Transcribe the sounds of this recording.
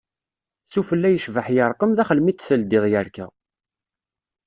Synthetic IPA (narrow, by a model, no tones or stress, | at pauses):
θufəlːæjəʃvəħjəɾˤqəmðæχəlmit̪θəld̪ɪðjəɾkæ̰